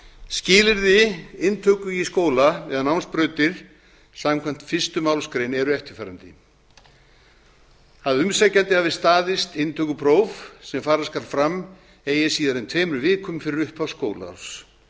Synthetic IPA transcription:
scɪːlɪɾðɪɪnːt̪ʰœːkʏiskoːwlaɛðanaːwnspɾœːɥt̪ɪɾ̥ | samkʰvan̥t̪fɪ̥st̪ʏmaːwlskɾejnɛɾʏɛft̪ɪ̥faːɾant̪ɪ̰ | haðʏmsacant̪ɪavɪðst̪aːðɪst̪ɪnt̪ʰœːkʏpʰɾoːwvsɛmfaːɾaskaɾfɾamː | eːjasiːðaɾɛnt̪ʰveːmɾʏvɪːkʏmfɪɾɪɾʏhpawskoːwla̰a̰ws

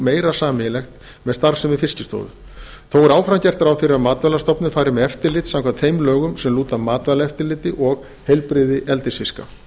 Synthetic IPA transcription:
meːjɾasaːmɪlɛxt̪ | mɛðst̪aɾsɛmɪfɪscɪst̪o̰ːðʏ̰ | θowɣɛɾaːwfɾamcɛr̥t̪aɾawfɪɾɪɾaðmaːt̪vɛlast̪ɔpnɪfaːjɾɪmɛɛft̪ɪlɪt̪samkʰant̪θejmlœːɣʏmsɛmluːt̪amaːt̪valɛft̪ɪɾlɪːt̪ɪʔɔɣ | hejlpɾɪðɪʔɛlt̪ɪsfiska̰

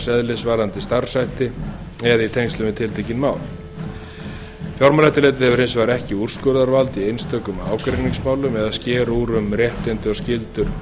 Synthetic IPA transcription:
sɛðlɪsvaːɾðant̪ɪst̪aɾ̥sajht̪ɪ | ɛðit̪ʰejŋst̪lʏmɪt̪ʰɪlt̪ʰejcɪnmaːwl | fjɔɾmalajt̪ɪlejt̪ɪhɛvʏɾhɪnsvaɾɛhcɪuɾ̥skœɾðaɾvalt̪iejnst̪œkʏma̰ːwkɾeniŋsmaːwlʏmɛðaðscɛːɾuːɾʏmrjɛht̪ɪnt̪ɪɔscɪlt̪ʏɾ̥

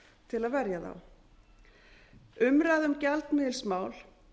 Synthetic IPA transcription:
t̪ʰɪlaðvɛɾjaθa̰w | ʏmɾaːðʏmcalt̪mɪːðɪlsmaːwl̥

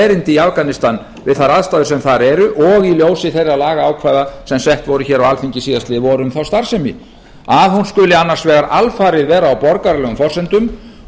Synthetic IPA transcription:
ɛɾɪnt̪ɪiavkanɪst̪an | vɪðθaɾaðst̪aːðʏɾsɛmθaɾɛɾʏʔɔɣiljoːwsɪθejrːalaːɣaːwkʰvaːjðasɛmsjɛht̪vɔɾʏçɛːɾawalfiɲcɪsiːðast̪ɪðvɔɾʏmθawst̪aɾ̥sɛmɪ̰ | aðhunskʏlɪanːar̥svɛːɣaɾalfaːɾɪðvɛːɾaːwpɔɾkaɾlɛːɣʏmfɔr̥sɛnt̪ʏm

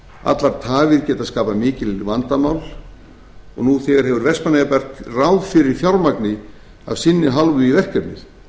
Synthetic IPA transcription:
a̰t̪laɾt̪ʰaːvɪɾcɛːt̪askaːpamɪːcɪlvant̪amaːwl | ɔ̰ɣnuθɛːɣaɾ̥ɦɛvʏɾvɛrspanajapar̥k̪rawðfɪɾɪɾfjawɾmaknɪ | a̰vsɪnːɪɦalvʏivɛr̥kɛpnɪθ

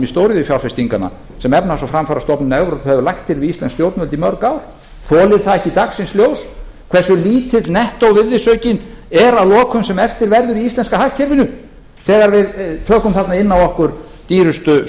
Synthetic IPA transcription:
mist̪oːwɾɪðɪfjaw̪fɛst̪iŋkana̰ | sɛmɛpnasafɾamfaːɾast̪ɔpnʏnaɛwvɾowphœvʏlajxt̪ʰːɪlvɪist̪lɛnst̪jowɾt̪nvɛlt̪imœɾkawɾ̥ | fɔːlɪɾθaðɛhcɪt̪aksɪnsljoːws | kʰvɛsːʏliːt̪ʰɪt̪lnɛht̪owvɪðːɪsœɥcɪnɛɾawlɔːkʰʏmsɛmɛft̪ɪɾvɛɾðʏɾiist̪lɛnskaɦahcʰɛɾvɪnʏ | θɛːɣaɾvɪðt̪ʰœːkʏmθat̪naɪnːawɔhkʏɾ̥ | t̪iːɾʏst̪ʏ

